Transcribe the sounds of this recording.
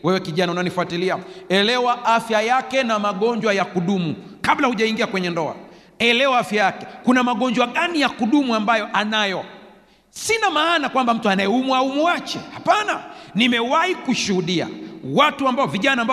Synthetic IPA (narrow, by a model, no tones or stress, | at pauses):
wɛwɛkiʄanaunaɔnifuatiliaɛlɛwaʔafjajakɛnamaɠɔɲd͡ʒwajakuɗumu | kaɓlahuʄaiŋɡiakwɛɲɛndɔa̰ | ɛlɛwaafjajakɛkunamaɠɔɲd͡ʒwaɠanijakuɗumuambajɔʔanajɔ | sinamaːnakwambam̩tuanajɛumuaumuat͡ʃɛhapananimɛwahikuʃuhuɗia̰watuambaɔviʄanaːmba